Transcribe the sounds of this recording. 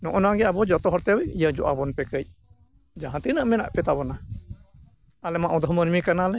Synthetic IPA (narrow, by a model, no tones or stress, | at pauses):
nɔʔɔnaɡɛabɔd͡ʒɔt̪ɔɦɔɾt̪ɛwɛijəd͡ʒɔʔabɔnpɛkəj̚ | d͡ʒaɦãt̪inəʔmɛna̰ʔpɛt̪abɔna | alɛmaʔud̪ɔɦmənmikanalɛ